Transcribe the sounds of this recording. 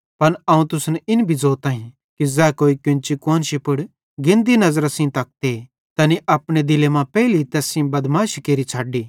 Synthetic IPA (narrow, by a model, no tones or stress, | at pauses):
pɐnɐːũt̪ʊsnɪnbʱid͡zoːt̪ãːɦĩ | kizɛːkoːikɪ̃nt͡ʃikoːnʃipʊɽ | ɡɪ̃nd̪inɐzɾasĩt̪ɐk̚t̪e | t̪ɐniʔɐpɽ̃ed̪ɪlemãpɛːlit̪ɛːsĩbɐd̪maːʃkeːɾit͡ʃʰaːɖiː